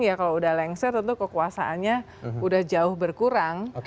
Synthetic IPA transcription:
jakaloudahlɛŋsərt̪ənt̪ukəkuasaʔanɲa | udahd͡ʒaʊhbərkuɾaŋ

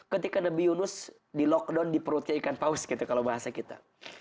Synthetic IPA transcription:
kət̪ikanabijunʊs | dilɔk̚dɔndipəɾut̪̚ɲaikanpaʊsɡit̪ukalawbaɦasakit̪a̰

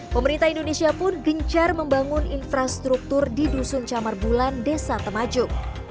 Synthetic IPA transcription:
pəməɾint̪aɦindonesiapʊnɡəɲt͡ʃarməmbaŋʊninfɾast̪ɾuk̚t̪ʊrdidusʊŋt͡ʃamarbulandesat̪əmad͡ʒʊk̚

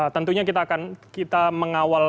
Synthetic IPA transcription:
at̪ənt̪uɲakit̪aːkankit̪aməŋawal

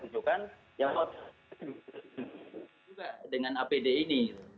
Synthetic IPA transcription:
t͡ʃukan | jaŋɔt | uɡadəŋanapedeini

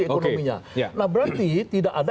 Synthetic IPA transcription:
eonkomiɲa̰janahbəɾart̪it̪idakada

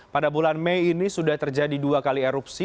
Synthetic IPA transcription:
padabulanmejːnisudaht̪ərd͡ʒadiduakaliɛɾupsi

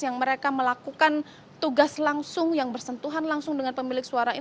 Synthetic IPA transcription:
jaŋməɾekaməlakukan | t̪uɡaslaŋsʊŋjaŋbərsənt̪uɦanlaŋsʊŋdəŋanpəmilɪk̚suaɾai

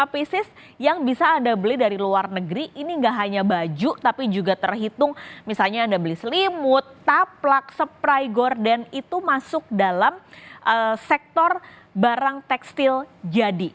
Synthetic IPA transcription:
fisɪs | jaŋbisaːndabəlɪhdaɾiluarnəɡəɾiʔiniŋɡaʔɦaɲabad͡ʒut̪apid͡ʒuɡat̪ərɦit̪ʊŋmisalɲaːndabəlɪsəlimʊt̪̚ːaplaksəpɾajɡɔrdɛnit̪umasʊk̚dalamʔəsɛk̚t̪ɔr | baɾaŋt̪ɛkst̪ɪld͡ʒadi

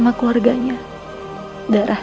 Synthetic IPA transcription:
makluwarɡaɲa | daɾʔah

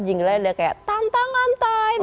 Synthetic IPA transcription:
d͡ʒiŋɡlaadakaja̰ʔt̪ant̪aŋant̪ajm

